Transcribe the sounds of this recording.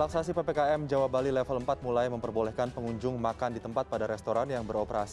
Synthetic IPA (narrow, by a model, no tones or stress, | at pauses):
laksasipepekaɛmd͡ʒawabalilɛfələmpat̪̚mulajməmpərbolɛhkanpəŋuɲd͡ʒʊŋmakandit̪əmpat̪̚padaɾɛst̪oɾanjaŋbəɾopəɾasi